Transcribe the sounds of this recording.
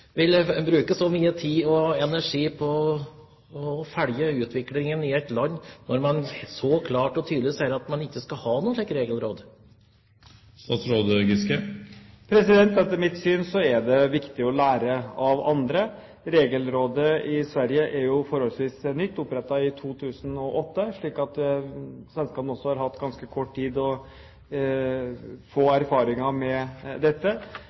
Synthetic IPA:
ʋɪlbɾʉːkəsɔmyːət̪ʰiːɔɛnæʂiːpʰɔ | fæɽjəʉːt̪ʋɪklɪŋənɪɛɪt̪lɑnːnɔɾmɑnsɔkʰlɑːʈɔt̪ʰyːd̪lɪsæɪɾɑt̪mɑnɪkːəskɑhɑːnuːnlɛːkɾeːɡəlɾoːd̪ | st̪ɑːt̪sɾoːd̪əɡɪskəpʰɾɛsɪd̪ɛnt̪ɛt̪ːəɾmɪt̪syːnsɔæɖ̪ɛʋɪkt̪ɪɔlæːɾəɑʋɑnd̪ɾə | ɾeːɡəlɾoːd̪əʔɪsʋæɾjəʔæɾjʊfɔɾhɔlsʋiːsnʏt̪ːʊpɾɛt̪ːɑɪt̪ʰuːt̪ʰʉːsənɔʔɔt̪ːəʂɭiːkɑt̪ | sʋɛnskɑːpənɔsːɔhɑɾɦɑt̪ːɡɑnskəkʰɔʈːt̪ʰiːd̪ɔ | foːæɾfɑːɾɪŋɑmɛd̪ɛt̪ːə

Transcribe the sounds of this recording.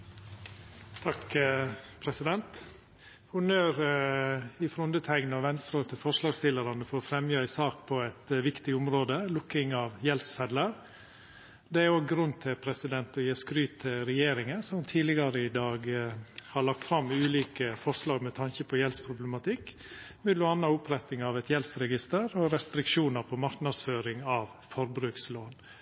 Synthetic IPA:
t̪ʰɑk | pʰɾɛsɪd̪ɛnt̪ | hʊnøːɾ | ɪfɾʊnd̪ət̪ʰæɡnɑʋɛnst̪ɾoːt̪ʰɪlfɔʂlɑːɡst̪ɪlːəɾɑnəfɔɾɔfɾɛmjøːæɪsɑːk̚pʰɔæɪt̪ʋɪkt̪ɪʊmɾoːd̪əlʊkːɪŋɑʋjɛlsfɛd̪ləɾ | d̪ɛæɾoːɡɾʉnːt̪ʰɪlpʰɾɛsɪd̪ɛnt̪ɔjeːskɾyːt̪ʰːɪlɾɛjeːɾɪŋənsɔmt̪ʰiːdlɪɡɑɾəɪd̪ɑːɡhɑɭɑk̚t̪fɾɑmʉːliːkəfɔɾʂlɑːɡmɛt̪ʰɑnçəpʰɔjɛlspʰɾʊblɛmɑt̪ʰɪkː | mɪd̪lʊɑnːɑʊpʰɾɛt̪nɪŋɑʋɛt̪jɛlsɾɛɡɪst̪əɾɔɾɛst̪ɾɪkʂuːnəɾpʰɔmɑɾknɑd̪sføːɾɪŋɑʋ | fɔɾbɾʉːksloːn

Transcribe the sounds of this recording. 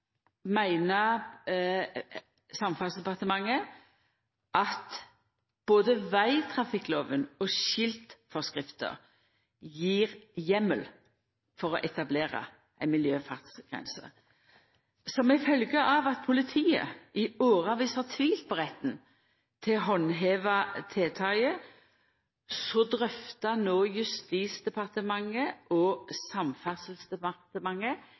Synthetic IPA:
mæɪnə | sɑmfɑlsd̪ɛpɑʁt̪əmɑŋːə | ʔɑt̪ | b̥oːd̪əʋæɪt̪ʰʁɑfɪkːloːʋənɔʃɪlt̪fɔʁskʁɪft̪ə̰ʁ | jiːʁjɛmːəl | fɔʁɔʔɛt̪ɑbleːʁɑ̰ | æɪnmɪljøːfɑʁt̪sɡ̥ʁɛ̰nsə̰ | sɔmɛɪfœlɡəʔɑːʋɑt̪̚pʰʊlɪt̪ʰiːə̰ʔɪoːʁɑʋiːshɑʁt̪ʰʋiːlt̪̚pʰɔʁɛt̪n̩ | t̪ʰɪlɦɔnɦeːʋɑt̪ʰeːt̪ʰɑɪə | sɔd̪ʁœft̪ɑnoːjʉst̪iːsd̪ɛpʰɑʁt̪əmɑŋːəʔɔːsɑmfɑsəl̩sd̪ɛɑt̪əmɑŋːə

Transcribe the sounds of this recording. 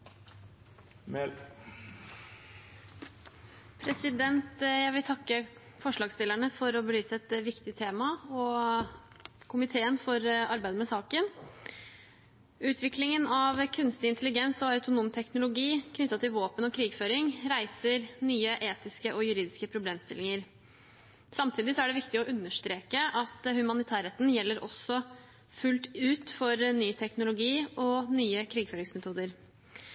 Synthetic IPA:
mɛ | pʰɾɛsɪd̪ɛnt̪jæɡʋɪlt̪ʰɑkːə | fɔʂɭɑːɡst̪ɪləɳəfɔɾɔbəlyːsəɛt̪ʋɪkt̪ɪt̪ʰeːmɑɔ | kʰʊmɪt̪ʰeːənfɔɾɑɾbæɪd̪əmɛsɑːkən | ʉːt̪ʰʋɪklɪŋənɑʋkʰʉnst̪ɪɪnt̪əlɪɡɛnsɔɑʉt̪ʊnuːmt̪ʰɛknʊlʊɡiːkʰnʏt̪ːɑt̪ɪlʋoːpənɔkʰɾiːɡføːɾɪŋɾæɪsəɾnyːəʔeːt̪ɪskəʔɔjʉɾiːd̪ɪskəpʰɾʊbleːmst̪ɪ̰lɪŋəɾ | sɑmt̪ʰiːd̪ɪsɔæɖɛʋɪkt̪ɪɔʔʉnːəʂt̪ɾeːkəʔɑt̪hʉmɑnɪt̪ʰæːɾɛt̪n̩jɛlːəɾʔɔ̰sɔ | fʉlt̪ʉːt̪fɔɾnyːt̪ʰɛknʊlʊɡiːɔnyːəkʰɾiːɡføːɾɪŋsmɛt̪ʰuːd̪əɾ

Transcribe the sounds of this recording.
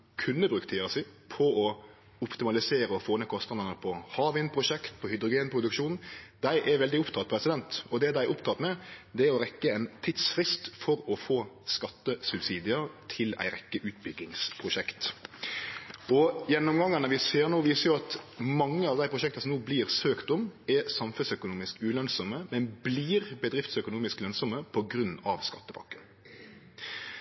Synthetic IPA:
kʰʉnːəbɾʉːkt̪ʰiːɑsɪpʰɔɔ | ʊpt̪ɪmɑlɪseːɾəɔfoːnəkʰɔst̪ɑnd̪ɑnəpʰɔhɑːʋɪnpʰɾʊʂɛkt̪pʰɔhʏd̪ɾʊɡeːnpʰɾʊd̪ʉkʃuːnn̩d̪æɪʔɛɾʋɛld̪ɪʊpt̪ʰɑt̪̚pʰɾɛsɪd̪ɛnt̪ɔd̪ɛd̪æɪɛʔʊpt̪ʰɑt̪mɛd̪ɛɛɾɔɾɛkːəɛɪnt̪ʰɪt̪sfɾɪst̪fɔɾɔfoːskɑt̪ːəsʉbsiːd̪ɪət̪ʰɪlæ̰ɪɾɛkːəʔʉːt̪̚bʏɡːɪŋspʰʁʊʃɛkt̪ | ɔjɛnːɔmɡɑŋːɑnəʋɪseːɾnoːʋiːsəjʊɑt̪mɑŋːəɑʋd̪æɪpʰɾʊʃɛk̚t̪əsɔmnoːbliːɾsøːkt̪ʊmɛsɑmfʉsœkʊnuːmɪskʉːlœnsɔməmɛnbliːʁbəd̪ɾɪft̪sœkʊnuːmɪsklœnsɔməpʰɔɡɾʉnːɑʋskɑt̪ːəbɑ̰ŋkːən

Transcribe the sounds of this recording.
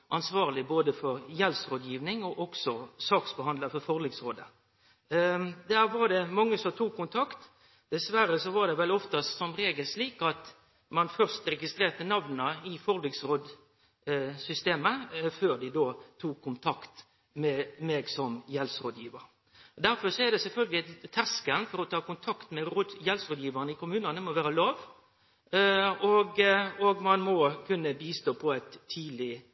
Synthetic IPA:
ʔɑnsʋɑːʁlɪboːd̪əfɔɾjɛlsɾoːd̪jiːʋnɪŋɔʔɔksɔsɑːksbəhɑnləfɔfɔʁlɪɡsɾoːd̪ə | d̪æːɾʋɑʁɖ̪ɛmɑŋːəsɔmt̪ʰuːkʰːʊnt̪ʰɑkt̪ | d̪̥ɛsʋæɾəsɔʋɑʁd̪ɛʋɛlɔft̪ɑsɔmɾeːɡəlʂliːkɑt̪ | mɑnfœʁst̪ɾɛɡɪst̪ʁeːʁt̪ənɑʋnəɪfɔʁlɪɡsɾoːd̪ | sʏst̪eːməføːɾd̪ɪd̪oːt̪ʰuːkʰːʊnt̪ʰɑkt̪ | mɛmeɡsɔmjɛlsɾoːd̪jiːʋəɾ | d̪æɾfɔɾsɔæɾd̪ɛsɛlfœlɡəlɪt̪ʰːæskənfɔɾɔt̪ʰɑːkʊnt̪ʰɑkt̪mɛɾoːd̪jɛlsʁoːd̪jiːʋəʁnəɪkʊmʉːnɑnəmɔʋæːɾəlɑːʋ | ɔɡɔɡmɑnmɔkʰʉnːəbiːst̪oːpʰɔɛt̪ʰːiːd̪lɪ

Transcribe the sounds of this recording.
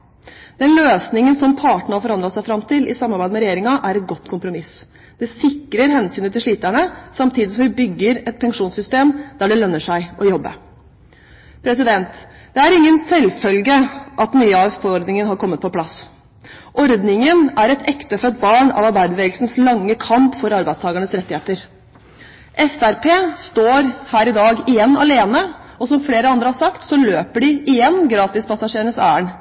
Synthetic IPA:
d̪̥ɛnløːsnɪŋənsɔmpʰɑːʈɳ̩ɑfɔɾɑnd̪ɾɑsæɪfɾɑmt̪ʰɪlʔɪsɑmːɑɾbæɪd̪əmɛɾɛjeːɾɪŋɑʔæɾɛt̪̚ɡɔt̪ːkʰʊmpɾʊmɪs | d̪̥ɛsɪkɾəɾɦɛnsyːnət̪ɪlʂɭiːt̪æɳəsɑmt̪ʰiːd̪ɪsɔmʋɪbʏɡːəɾɛt̪̚pʰɛŋʂuːnsʏst̪eːmd̪æɖɛlœnːəʂæɪʔɔjɔbːə̰ | pʰɾɛsɪd̪ɛnt̪ | d̪̥ɛæɾɪŋːənsɛlfœlɡəʔɑt̪nyːəɑʋfɔɾd̪nɪŋənɦɑɾkʰɔmːət̪̚pʰɔpʰlɑs | ʔɔɾd̪nɪŋənæɾɛt̪ʰɛkt̪əfɔɾɛt̪̚bɑːɳɑ̰ʋɑɾbæɪd̪əʋeːɡl̩sn̩slɑŋːəkʰɑmpfɔɾɑɾbæɪd̪st̪ʰɑːɡəɳəsɾɛt̪ːɪheːt̪əɾ | ʔɛfæɾpʰeːst̪oːɾhæːɾɪd̪ɑːɡɪjɛnːɑleːnəɔsɔmfleːɾəɑnd̪ɾəhɑɾsɑkt̪sɔløːpəɖɪɪjɛnːɡɾɑːt̪ɪspɑsɑʂeːɾɳəsæ̰ːəɳ

